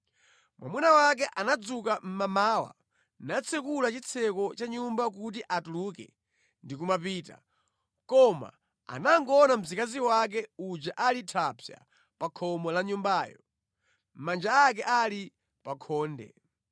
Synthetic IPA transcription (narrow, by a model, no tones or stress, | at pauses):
mwʔa̰munawak̬ɛʔanad͡zukam̩mamaːwa̰ | nat͡sʰɛkulat͡ʃit͡sʰɛkɔt͡ʃaɲumbak̬ut̬iʔatuluːkɛ̰ | ndikumapiːta̰ | kɔma̰ | a̰naŋɡɔnam̩zikaziwak̬ɛud͡ʒaʔalitʰapʰja̰ | pakʰɔmɔlaɲumbaːjɔ | m̩mand͡ʒaːk̬ɛʔali | pakʰɔːndɛ̰